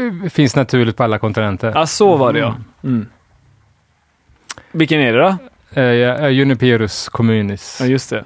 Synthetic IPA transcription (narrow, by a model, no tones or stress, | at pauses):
fɪnsnat̪ʰʉ̟ːɭɪɡt̪pʰɔalːakʰɔnt̪ɪnɛnt̪ʰəɾasɔvaɖɛɔ | vɪkːənæɖɛd̪ɔ | jɵnɪpʰeːɾɵskʰɔmʉ̟ːnɪsjɵst̪ʰɛ